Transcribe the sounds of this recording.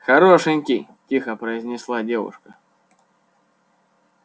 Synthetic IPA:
xɐɾoʂɨnʲkʲi | tʲixəpɾəɪzʲnʲɪslˠadʲe̞vʊ̰ʂkə

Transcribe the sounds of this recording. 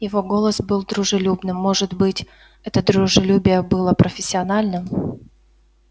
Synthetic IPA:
jɪvo̞ɡo̞lˠəsbɨlˠd̪ɾʊʐɨlʲubnɨmːo̞ʐɨt̪bɨtʲ | ɛt̪əd̪ɾʊʐɨlʲubʲɪjəbɨlˠəpɾʔəfʲɪsʲːɪɐnalʲnɨm

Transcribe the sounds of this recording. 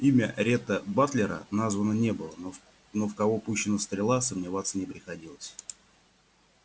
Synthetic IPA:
imʲəɾʲet̪əbat̪lʲɪɾə̰nazvənənʲe̞bɨlˠə | nofkɐvopuɕːɪnəst̪ɾʲɪlˠasəmnʲɪvat̪sːənʲɪpɾʲɪxɐdʲilˠəsʲ

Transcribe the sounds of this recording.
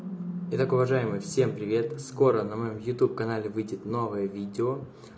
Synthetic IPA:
ɪt̪akʊvɐʐajɪmɨjfsʲe̞mpɾʲɪvʲe̞t̪sko̞ɾənəmɐjomjʊt̪upkɐnalʲɪvɨjdʲɪt̪no̞vəjəvʲidʲɪo

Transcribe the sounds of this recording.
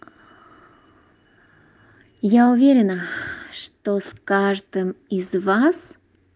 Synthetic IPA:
jaʊvʲeɾʲɪnəʂt̪oskaʐd̪ɨmɪzvas

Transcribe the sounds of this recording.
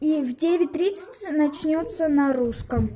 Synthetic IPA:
ivdʲevʲɪt̚ʲt̪ɾʲit̪sə̥tʲnɐt͡ɕnʲot̪sənɐɾuskəm

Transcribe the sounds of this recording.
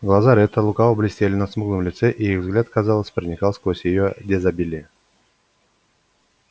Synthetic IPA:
ɡlˠazaɾʲɛt̪əlˠukavəblʲɪsʲt̪ʲelʲɪnəsmɨɡlˠɨmlʲɪt̪sɛʔiixvzɡlʲat̪kazɑlˠəsʲpɾənʲɪkalˠsʲkosʲjɪjodʲezabʲilʲɪ

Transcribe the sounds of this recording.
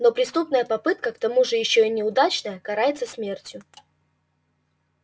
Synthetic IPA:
no̞pɾʲɪst̪upnəjəpɐpɨt̪̚kəkt̪ɐmuʐɨjɪɕːoinʲɪʊd̪at͡ɕnəjəkɐɾajɪt̪səsmʲe̞rtʲjʊ

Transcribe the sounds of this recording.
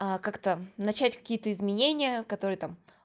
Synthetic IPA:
akakt̪ənɐt͡ɕætʲkɐ̥kʲijət̪əɪzmʲɪnʲenʲɪjəkɐt̪o̞ɾɨjət̪am

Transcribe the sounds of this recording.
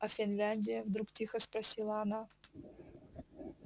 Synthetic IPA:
ɐfʲɪnlʲanʲdʲɪjəvd̪ɾuktʲixəspɾɐsʲilˠɐɐna

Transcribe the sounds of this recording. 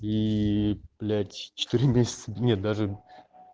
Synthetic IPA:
i | plʲætʲt͡ɕɪ̥t̪ɨɾʲɪmʲesʲɪ̥t̪sə̥nʲet̪̚d̪aʐɨ

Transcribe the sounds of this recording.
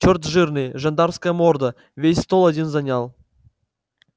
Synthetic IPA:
t͡ɕort̪ʐɨrnɨjʐand̪ɑrskəjəmord̪ə | vʲesʲst̪olˠadʲinzanʲɑlˠ

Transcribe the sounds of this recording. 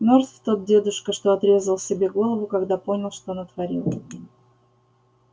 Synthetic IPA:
mʲort̪ft̪ot̪̚dʲe̞d̪ʊʂkəʂt̪o̞ɐt̪ɾʲe̞zəlˠsʲɪbʲe̞ɡo̞lˠəvʊkɐɡd̪apo̞nʲɪlˠʂt̪onət̪vɐɾʲḭlˠ

